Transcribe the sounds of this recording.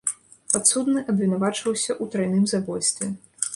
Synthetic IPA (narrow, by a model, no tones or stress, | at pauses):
pat̪sud̪nɨʔɐbvʲinavat͡ʂvɐwsʲɐʔut̪ɾajnɨmzabɔjst̪vʲɛ